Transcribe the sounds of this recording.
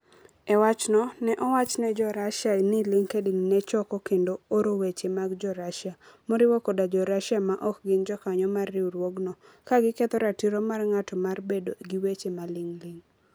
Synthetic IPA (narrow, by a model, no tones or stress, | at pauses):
ɛwat͡ʃnɔnɛʔɔwat͡ʃnɛd͡ʒɔɾaʃanɪlɪŋkediŋnɛt͡ʃɔkɔkendooɾowet͡ʃemaɡd͡ʒɔɾaʃjamoɾɪwɔkodad͡ʒɔɾaʃamaʔɔk̚ɡɪnd͡ʒɔkaɲɔmarːɪuɾwoɡnɔ | kaɡɪkɛt̪ɔɾatiɾomarŋatɔmarbedo̰ɡiwet͡ʃemalɪŋliŋ